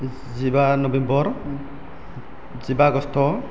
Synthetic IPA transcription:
zibanɔbɛmbɔɹ | zibaɡɔstʰɔ

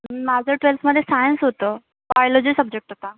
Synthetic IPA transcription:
imad͡zʱəʈʋelfməd̪ʱːjesajənsɦot̪ə | bajolɔd͡ʑiːsəb̚d͡ʑek̚ʈɦot̪a

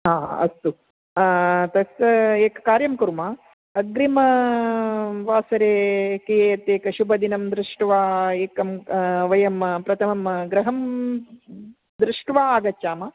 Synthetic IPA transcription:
ɦaːɐ̰st̪u | t̪ɐseːkɐkaːɾjɐmkuɾmaː | ɐɡɾimɐ | ʋaːsɐɾeːkeːjɐt̪eːkɐʃubɐd̪inɐmd̪ɾɪʂʈʋaːeːkɐmʋɐjɐmpɾɐt̪ʰɐmɐmɡɾɐɦɐm | d̪ɾɪʂʈʋaːaːɡɐt͡ʃːaːmɐ

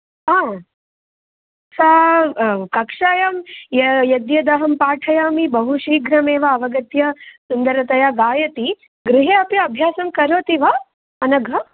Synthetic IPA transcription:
aː | sɐ | kɐkʂaːjɐmjɐjɐd̪jɐd̪ɐɦɐmpaːʈʰɐjaːmibɐɦuʃiːɡʱɾɐmeːʋɐːʋɐɡɐt̪jɐsund̪ɐɾɐt̪ɐjaːɡaːjɐt̪i | ɡɾɪɦeːɐpjɐɐbʱjaːsɐmkɐɾoːt̪iʋɐ | ɐnɐɡʱɐ

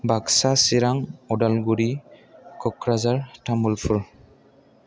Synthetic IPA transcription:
baksasiɹaŋɔdalɡuɹikɔkɹazaɹtamulpʰuɹ

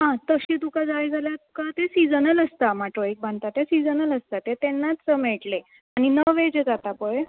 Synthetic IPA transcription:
ɦãt̪əɕiːt̪ukad͡zajd͡zʱaljat̪ukat̪esid͡zənələst̪amaʈɾɔik̚bant̪at̪esid͡zənələst̪at̪et̪enːat͡ssəmeʈle | añinəʋed͡ʑed͡zat̪apəɭe

